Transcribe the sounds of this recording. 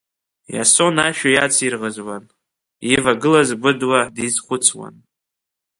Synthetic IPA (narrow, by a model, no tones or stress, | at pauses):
ja̰so̞naʃᶣajat͡sʰirʁəzwan | ivaɡɨlazɡʷʊdwadizχʷʊt͡sʰwa̰n